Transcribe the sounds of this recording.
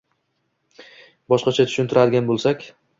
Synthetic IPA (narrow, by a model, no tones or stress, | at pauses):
bɒʃqɑt͡ʃʰat̪ʰʊ̥ʃʊnt̪ʰɪɾad̪ɪɡʲanbolˠsakʲ